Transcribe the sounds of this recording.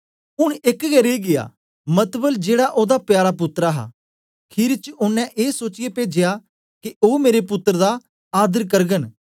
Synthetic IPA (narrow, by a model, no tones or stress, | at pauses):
ʊɽ̃ɪkɡɛɾeɡɪja̰ː | mət̪bəld͡ʒeːɽaʔoːd̪apjaːɾapʊt̪ːɾaɦa̰ː | kʰɪɾt͡ʃʊnːɛ̃ʔeːsoːt͡ʃɪjepeːd͡ʒɪja | kioːmeːɾepʊt̪ːəɾd̪a | aːd̪əɾkɐɾɡən